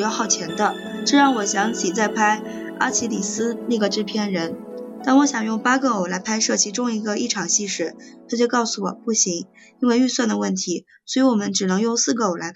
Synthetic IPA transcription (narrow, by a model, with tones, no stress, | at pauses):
jɑ˥˧ʊxɑ˥˩ʊt͡ɕʰjɛ˧˥nd̪ə˧ | ʈ͡ʂɤ˥˧ɻɑ˥˩ŋwɔ˨˩ɕjɑ˧˥ŋt͡ɕʰi˨˩t͡sa˥˩ɪpʰa˥ɪ | a̰˥t͡ɕʰi˧˥li˨˩sɹ̩˥ni˥˩ɡə˩ʈ͡ʂɻ̩˥pʰjɛ˥˩nɻə˧˥nt̪a˥˩nwɔ˧˥ɕjɑ˨˩ŋjʊ˥˩ŋpa˥ɡə˧˩o˨˩la˧˥ɪpʰa˥ɪʂɤ˥˩t͡ɕʰi˧˥ʈ͡ʂʊ˥ŋi˧˥ɡə˧i˥˩ʈ͡ʂʰɑ˨˩ŋɕi˥˧ʂɻ̩˥˩t̪ʰa˥t͡ɕjo˥˧ʊkɑ˥˩ʊsu˨˩wɔ̰˨˩pu˥˩ɕi˧˥ŋ | i˥nwe˥˧ɪy˥˧swa˥˩nd̪ə˩wə˥˩nt̪ʰi˧˥ | swɔ˧˥i˧˥wɔ˨˩mə˦nʈ͡ʂɻ̩˨˩nɤ˧˥ŋjʊ˥˧ŋsɹ̩˥˩ɡə˧˩o˨˩la˧˥